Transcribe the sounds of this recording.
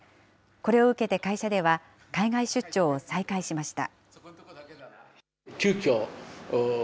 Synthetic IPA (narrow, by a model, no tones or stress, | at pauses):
ko̞ɾe̞o̞ɯ̟ke̞t̪e̞kaiɕad̪e̞β̞a | kaiɡaiɕɨt͡ɕːo̞ːsaikaiɕimaɕi̥t̪a̰ | kʲɨːkʲoː